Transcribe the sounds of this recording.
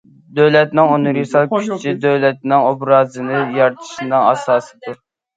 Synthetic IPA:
d̪øwlɛt̪nɪŋonɨɾisɑlˠkʲʰyt͡ʃʰid̪øwlɛt̪̚nɪŋobɾɑːzɨnɨjɑɾt̪ʰɨ̥ʃɨnɨŋɑsɑːsɨ̥d̪uɾ

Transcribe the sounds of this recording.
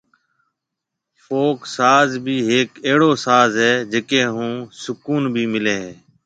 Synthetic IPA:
foːksaːzbʱiːɦeːkeːɽoːsaːzɦɛːd͡ʒeːkeːɦũːsʊkuːnbʱiːmɪleːɦeː

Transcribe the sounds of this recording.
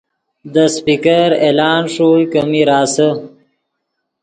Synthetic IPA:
d̪əspikəɾeːlɑːnʂukəmiɾɑːsə

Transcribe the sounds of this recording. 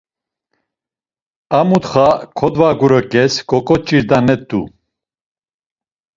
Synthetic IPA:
amut̪χakʰɔd̪vaɡuɾɔkʼɛskʼɔkʼɔt͡ʃʼiɾd̪anɛt̪ːṵ

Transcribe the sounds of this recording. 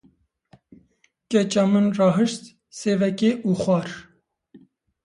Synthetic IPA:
kɛt͡ʃɑmɨnrɑːɦɨʃt̪ | seːvɛkeʔuːxwʷɑːɾ

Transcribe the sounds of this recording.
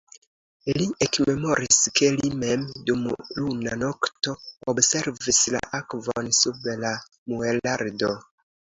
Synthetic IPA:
liʔekme̞mo̞ɾiske̞lime̞mdumlunano̞kto̞obse̞ɾvisla̰ʔakvo̰nsubla | muelaɾdo̞

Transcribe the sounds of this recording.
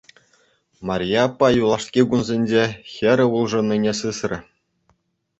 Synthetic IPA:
mɑrʲjɑpːɑjulˠɑʂkʲiɡunzʲenʲd͡ʑexʲɘ̆ɾʲɘ̆ulˠʐɤ̆nʲːinʲesɯsrʲɘ̆

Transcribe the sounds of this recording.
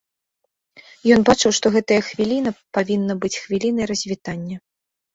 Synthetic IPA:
jɔnbat͡ʂɨwʂt̪ɔɣɛt̪ɐjɐxvʲilʲinɐpavʲinːɐbɨt͡sʲxvʲilʲin̪ɐjɾɐzʲvʲit̪anʲːɐ

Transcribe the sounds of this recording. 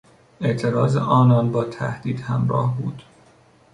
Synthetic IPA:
e̞ʔt̪ʰe̞ɾɒːzeʔɒːnɒːnbɒːt̪ʰæ̰hd̪̥iːd̪hæmɾɒ̰ːhbuːd̪̥

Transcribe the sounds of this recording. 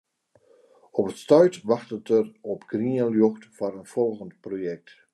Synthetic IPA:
ɔpətstœɥtʋɑxtətərɔpɡ̥riəljɔxtfanənfɔlˠɣəntprojɛk̚t

